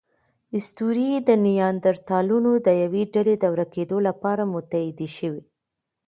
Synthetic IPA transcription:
ɪst̪uɾid̪ənijɑnd̪aɾt̪ɑlunod̪əjaweɖaled̪awɾaked̪olapɑɾamʊt̪ahɪd̪iʃəwi

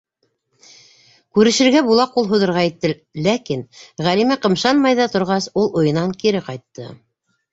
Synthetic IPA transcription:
kʉɾɘ̆ʃɘ̆ɾɡæbulˠɑqulˠɦŭðɤ̆ɾʁɑit̪ːɘ | lækinʁælimæqɤ̆mʃɑnmɑjðɑt̪ŏɾʁɑsulˠŏjɤ̆nɑŋkiɾɘqɑjt̪ːɤ

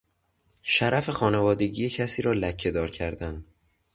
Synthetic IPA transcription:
ʃæɾʔæfe̞xɒːnevɒːd̪e̞ɟiːjecʰæsiːɾɒːlæcʰːe̞d̪ɒːɾcʰæɾd̪æn

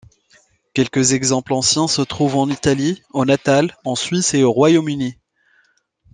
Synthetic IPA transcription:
kʲɛlkəzɛɡzɑ̃plɑ̃sjɛ̃sət̪χuvɑ̃nit̪alionat̪alɑ̃sɥiseoʁwajomyni

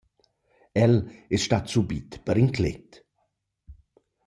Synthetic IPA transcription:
ɛlɪsʃtatsubit̪b̥əɾɪŋkʰlɪ̰t

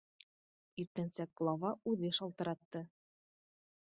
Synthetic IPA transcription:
iɾt̪ɘ̆nsæɡ̥lˠɑvɑʉðɘʃɒlˠt̪ɤ̆ɾɑt̪ːɤ

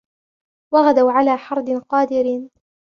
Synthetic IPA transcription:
waɣad̪awʕalaːħɑɾˤd̪ˤqɑːd̪ɪɾ

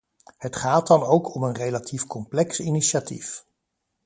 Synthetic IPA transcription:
hətχaːtdɑnowkʰɔmənrejlatʰifkɔmplɛksiniʃatḭf

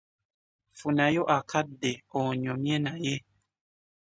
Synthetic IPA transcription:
funãjoʔakʰadeɔɲɔ̃miɛnaje

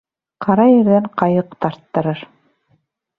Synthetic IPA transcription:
qɑɾɑjɘ̆ɾðæɴqɑjɤqt̪ɑɾt̪ːɤ̆ɾɤɾ

